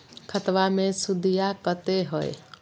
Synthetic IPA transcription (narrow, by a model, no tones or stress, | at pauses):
kʰət̪ʋamẽsʊd̪ʱijakət̪eɦoḛ